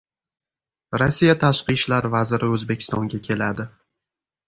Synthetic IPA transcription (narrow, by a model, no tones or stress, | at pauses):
ɾasːijat̪ʰaʃqɨʃlaɾvazɪɾɪɵzbe̞kʲʰɪ̥st̪ɒŋɡʲakʲʰe̞lad̪ɪ